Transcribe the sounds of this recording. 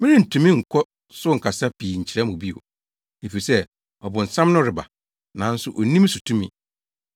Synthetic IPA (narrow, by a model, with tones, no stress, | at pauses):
mɪ̃˦ĩ˦n̩˨tʰũ˨mĩ˦ŋ̩˨kʰɔ˦ | sʊ˦ŋ̩˨kʰa˨sa˦pʰiː˨ɲ̩˨t͡ɕʰɪ˨ɾɛ˦mʊ̃˨bi˦o̰˨ | e˨fi˨i˨sɛ˦ | ɔ˨bʊ˨n̩˨sã˦m˦nʊ̃˦ɾɪ˨ba̰˨ | nã˨˦n̩˦sʊ˦ʔo˨nĩ˦m˦sʊ˨tʰũ˦mĩ˨